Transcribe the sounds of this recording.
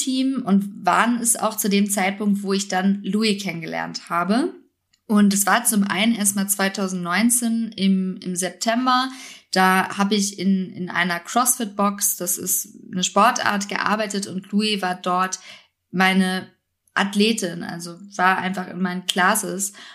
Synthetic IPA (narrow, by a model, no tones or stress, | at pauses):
tʰiːmʊntva̰ːʁənɛsa̰ʊxt͡sudeːmt͡saɪt̚pʊŋk̚tv̥oːɪçd̥anluːikʰɛnənɡəlɛ̰ɐnthaːbə | ʔʊntɛsv̥aːɐt͡sʊmʔa̰ɪnənʔeːɐst̚maːlt͡sv̥aɪtʰaʊzn̩tnɔʏnt͡seːnɪmɪ̰mzɛp̚tʰɛmbɐd̥aːhaːbəɪçɪnɪ̰nʔa̰ɪnɐkʁ̥ɔsfɪt̚b̥ɔksd̥asɪ̰stnəʃpɔɐtʔa̰ːɐtɡ̥ə̰ʔa̰ɐbaɪtətʊntʰluːivaːɐdɔɐt | maɪnə | ʔatleːtʰɪnʔa̰lzov̥aːɐʔa̰ɪnfaχɪ̰nmaɪnənkʰl̥asəs